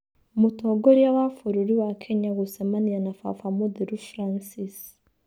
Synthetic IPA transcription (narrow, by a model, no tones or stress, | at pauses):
mutoɡoɾijawafuɾiɾiwakʰeɲaɣusemanianafa̰famud̪iɾufɾansis